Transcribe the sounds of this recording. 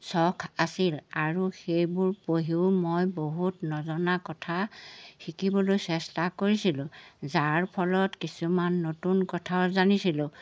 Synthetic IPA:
sɔkʰasilaɹuxejbʊɹpoɦiʊmojboɦutnɔzɔnakɔtʰaxikibɔlojsɛstakoɹisilʊ̃zaɹpʰɔlɔtkisumanːotunkɔtʰaɔzanisilʊ̃

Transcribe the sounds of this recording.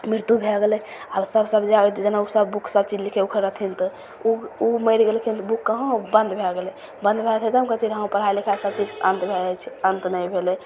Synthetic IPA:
miɾt̪ubʱeɡelɛabsəbsəbd͡ʒaot̪d͡ʒənausəbbukʰsəb̚t͡ʃid͡ʒlikʰeukʰəɾət̪ʰint̪ɔ | uuməjɾiɡelkʰint̪bukːəɦõbə̃nd̪bʱeɡele | bə̃nd̪bʱet̪ʰet̪əmkət̪ʰiɾɦə̃pəɾ̤ɦajlikʰasəb̚t͡ʃid͡ʒənt̪bʱeɛt͡ʃʰi̥ənt̪nəjbʱele

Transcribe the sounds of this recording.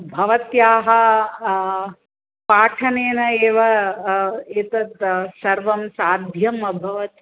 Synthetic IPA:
bʱɐʋɐt̪jaːɦɐ | paːʈʰɐneːnɐeːʋɐ | et̪ɐt̪sɐɾʋɐmsaːd̪ʱjɐmɐbʱɐʋɐt̪

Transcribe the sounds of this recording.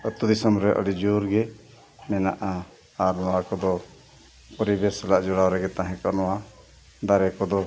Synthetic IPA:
ət̪ud̪isəmɾɛʔə̰lid͡ʒuɾɡɛ | mɛnaʔaː | ɾnɔwakɔd̪ɔ | pɔɾibɛɾsɛlaʔd͡ʒɔɽawɾɛɡɛt̪ãɦɛ̃kɔʔnɔwa | d̪aɾɛkɔd̪ɔ

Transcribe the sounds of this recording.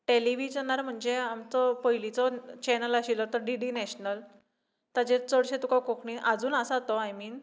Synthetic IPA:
ʈeliʋid͡ʑanaɾm̤əɳd͡zeamt͡sɔpəjlit͡sɔt͡ɕɛnəlaɕilɔt̪əɾɖiɖinɛɕnəl | t̪ad͡ʑet͡səɽɕẽt̪ukakokʰɳiʔad͡zuːnəsat̪ɔajmiːn

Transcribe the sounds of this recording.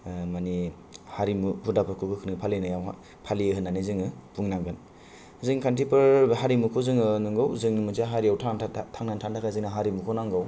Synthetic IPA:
mani | haɾimupudapʰakʰɯkɯkʰɯnɯŋpʰalinɯjaw̰ | pʰaliɦɯnːanizɯŋɯpuŋnaŋɡɯn | zɯŋkʰantipɯɾhaɾimukʰɔzɯŋɯnɯŋɡɯwzɯŋmɯzaɦaɾijawtʰatʰaŋnantʰantʰakʰazɯŋnaɦaɾimukʰɔnaŋɡaw

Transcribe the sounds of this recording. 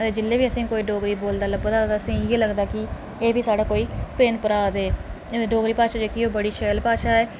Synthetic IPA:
ət̪eːd͡ʒɪlːeːbiːəsĩːkoːiːɖoːɡɾiːboːld̪aːləbəd̪aːt̪aːəsĩːeːləɡd̪aːkɪ | eːbiːsaːɽaːkoːiːpeːnpəɾaːd̪eː | t̪eːɖoːɡɾiːpaːʃaːd͡ʒeːkioːbəɽiːʃɛːlpaːʃaːɛː

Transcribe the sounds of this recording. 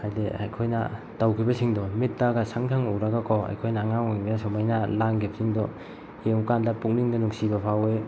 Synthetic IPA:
hajdea̰jkʰojna̰ | tawkʰibɐsiŋdɔmit̚ːaɡasaŋtʰaŋowɾaɡakʰɔa̰jkʰojnaːŋaŋoŋibesomajnalaŋkʰibɐsiŋdɔ | eŋkandɐpuk̚niŋdɐnuŋsibɐpʰawe

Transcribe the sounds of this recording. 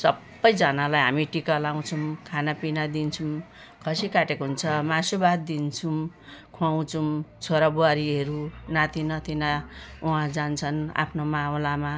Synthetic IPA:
sʌbːʌjd͡zʌnalajɦamiʈikalaw̃t͡sʰumkʰanapinad̪int͡sʰum | kʰʌsikaʈekoɦunt͡sʰʌmasubad̪̚d̪int͡sʰum | kʰuaw̃t͡sʰumt͡sʰoɾabuaɾiʌɾunat̪ʰinʌt̪ʰinauɦãd͡zant͡sʰʌna̰pʰnomawlama

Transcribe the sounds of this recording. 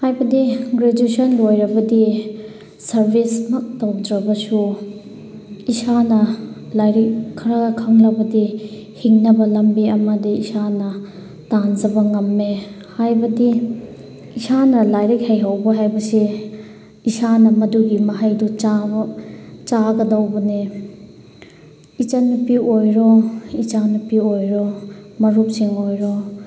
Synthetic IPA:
hajbɐdiɡɾed͡ʒisɐnlojɾɐbɐdi | sɐɾbʱismɐk̚tɐwdɾɐbɐsu | isanɐlajɾikʰːɐɾakʰɐŋɾɐbɐdi | hiŋnɐbɐlɐmbiɐmɐdiisanɐ | tand͡ʒɐbɐŋɐmːe | hajbɐdi | isanɐlajɾik̚hejɦawbɐɦajbɐsi | isanɐmɐduɡimɐɦajdut͡ʃa | t͡ʃaɡɐdɐwbɐne | it͡ʃanupiojɾɔit͡ʃanupiojɾɔmɐɾup̚siŋojɾɔ

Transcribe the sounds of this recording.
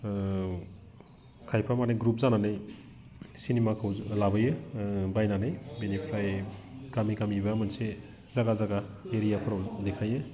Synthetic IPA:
kʰajpʰamaneɡɾup̚zananɯj | sinemakʰawlabɯjɯbajnanɯjbenipʰɾajkamikamibamɐnse | zaɡazaɡaeɾijakʰuɾawdekʰajɯ

